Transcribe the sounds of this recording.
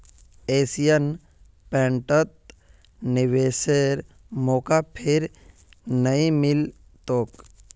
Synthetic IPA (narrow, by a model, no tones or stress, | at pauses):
eːsijən | pɛ̃ɳʈət̪̚ | nɪʋeːseɾ | moːkapʰɪɾ | nəĩmɪlt̪oːk